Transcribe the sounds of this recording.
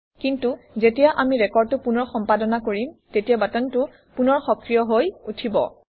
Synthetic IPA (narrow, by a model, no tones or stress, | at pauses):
kintuzetijaʔamiɹɛkɔɹd̚ʊpunɔɹxɔmpadɔnakoɹimtetijabatɔntʊ | punɔɹxɔkɹijɔɦojutʰibɔ̰